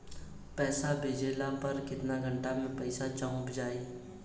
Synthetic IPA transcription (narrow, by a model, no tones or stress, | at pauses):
pɛːsabʱeːd͡ʒeːlãpɐɾkɪt̪naɡʱə̃ɳʈamẽpɐɪsat͡ʃəʊ̃pd͡ʒaːeː